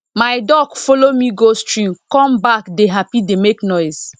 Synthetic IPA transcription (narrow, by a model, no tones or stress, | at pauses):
maɪdɔɡfɔlomiɡostɹĩmkɔ̃mbakdeɦapidemeknɔɪs